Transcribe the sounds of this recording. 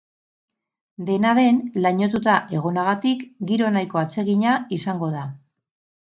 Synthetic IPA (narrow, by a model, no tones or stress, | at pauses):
d̪e̞naðe̞nlaɲo̞t̪ut̪aʔe̞ɣ̞o̞naɣ̞at̪ikɡiɾo̞najko̞at͡se̞ɣiɲaisaŋɡo̞ða